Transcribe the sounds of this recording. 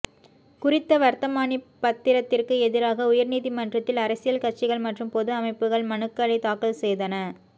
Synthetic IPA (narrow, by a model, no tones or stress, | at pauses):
kʊrɪt̪ːɐʋɐɾt̪ɐmaːnipːɐt̪ːɪɾɐt̪ːɪrkɯɛðɪɾaːɣɐʊjɐɾniːðimɐndrɐt̪ːɪlɐɾɐsɪjɐlkɐʈ̚t͡ʃːɪɣɐɭmɐʈrɯmpɔðɯɐmɐɪpːɯɣɐɭmɐnɯkːɐɭɐɪt̪aːkɐlsɛjðɐnɐ